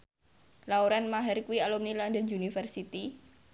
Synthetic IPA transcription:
lauɾanmaɦɛrkuwialɔmnilandənd͡ʒunifərsit̪i

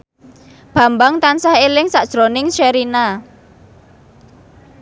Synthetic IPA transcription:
b̥a̤mbaŋt̪ansahelɪŋsaʔd̥ʒ̥ɾonɪŋʃeɾina

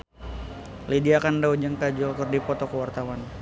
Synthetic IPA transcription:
lediakandaud͡ʒaŋkad͡ʒɔlkərdipɔt̪ɔkəwart̪awan

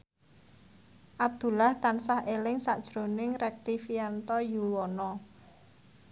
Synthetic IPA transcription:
ʔab̚d̪̥ṳlaht̪ansahʔelɪŋsaʔd̥ʒ̥ɾo̤nɪŋɾɛk̚t̪ifiant̪ɔjuwɔnɔ

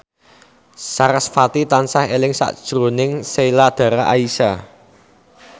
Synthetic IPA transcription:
saɾasfat̪it̪ansahelɪŋsa̰ʔd̥ʒ̥ɾonɪŋselad̪̥ä̤ɾaʔaisa

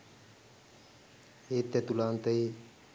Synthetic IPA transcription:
eːt̪ːɛt̪ulaːnt̪əe

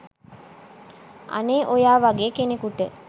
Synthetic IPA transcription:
a̰neːʔojaːʋaɡeːkenekuʈə

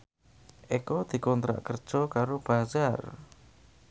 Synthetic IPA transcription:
ʔekɔd̪̥i̤kɔnt̪ɾa̰ʔkərd̥ʒ̥ɔkaɾob̥azar

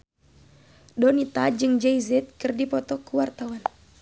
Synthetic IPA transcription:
dɔnit̪ad͡ʒɨŋd͡ʒɛizɛt̪̚kɨrdipɔt̪ɔkuwart̪awan

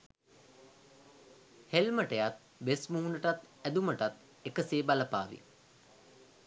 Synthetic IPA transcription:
helməʈəjat̪̚ | ʋesmuɦunəʈat̪ | æd̪uməʈat̪ | ekəseːbaləpaːʋḭ

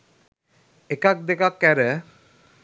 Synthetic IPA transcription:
ekak̚d̪ekakːɛɾə

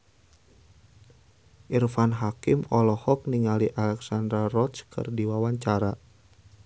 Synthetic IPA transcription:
ʔirfanɦakimɔlɔhɔk̚niŋaliʔalɛksandɾarɔt̪skʰɨ̰rdiwawaɲt͡ʃaɾa

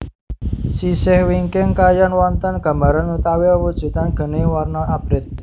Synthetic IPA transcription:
sisɪhwiŋkɪŋkajanwɔnt̪ənɡ̥ä̤mbaɾanut̪aweəwud̥ʒ̥ṳt̪anɡ̥ə̤newarnɔab̥ɾɪt̪̚

